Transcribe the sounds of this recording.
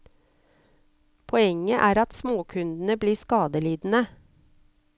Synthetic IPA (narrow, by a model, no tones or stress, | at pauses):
pʰɔɛŋəʔæːɾɑt̪smoːkʰʉnd̪n̩əbliːskɑːd̪əliːd̪n̩ə